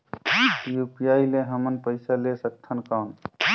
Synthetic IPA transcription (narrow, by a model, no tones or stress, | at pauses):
jupijaileɦəmənpəɪsalesək̚t̪ʰənkaːn